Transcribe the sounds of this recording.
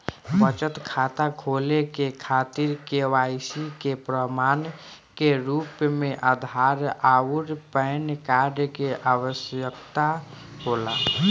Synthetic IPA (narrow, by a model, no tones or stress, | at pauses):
bət͡ʃət̪kʰat̪akʰolekekʰat̪iɾkewaɪsikepɾəman | keɾupmeʔəd̪ʱaɾauɾpəɪnkaɾɖkeʔaʋəsjəkt̪a | ɦola̰